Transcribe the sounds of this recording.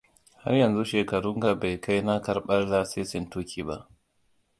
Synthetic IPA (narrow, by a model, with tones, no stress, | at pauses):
ha̰˦rjɐ˨nzu˦ʃeː˨kɐ˨ɽʊ˦ŋɡa˨ba˨jkʰa˦jna˦kɐ˨rɓɐ˦rlaː˦seː˦sɪ˨ntuː˦kʲiː˨ba̰˦ʔ